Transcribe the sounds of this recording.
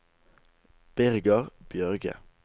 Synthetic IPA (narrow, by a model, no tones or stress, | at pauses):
b̥ɪʁɡəʁb̥jœʁɡə̰